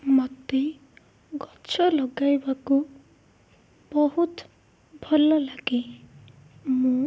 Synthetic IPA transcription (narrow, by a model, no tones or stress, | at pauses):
mʌd̪ːe | ɡʌt͡sʰʌlʌɡajbako | bʌɦut̪ | bʱʌlːʌlaɡi | mu